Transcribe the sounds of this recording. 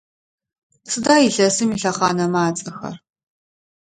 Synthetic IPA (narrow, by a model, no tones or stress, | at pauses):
sɨdaːjiɬɐsɨmiɬɐχɑ̰ːnɐmaːt͡sʼɐxɐ̰r